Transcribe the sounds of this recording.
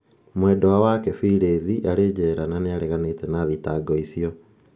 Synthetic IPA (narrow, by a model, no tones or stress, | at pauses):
mwɛdɔwawakɛfiɾeːðiʔaɾeːd͡ʑɛɾananeaɾɛɣanetɛnaðitaɡɔisiɔ